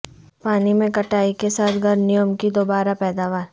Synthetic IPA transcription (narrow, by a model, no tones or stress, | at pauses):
paːnimẽkɐʈaːikesaːt̪ʰɡʱɐɾnɪjəmkid̪oːbaːɾapɛːd̪aːʋaːɾ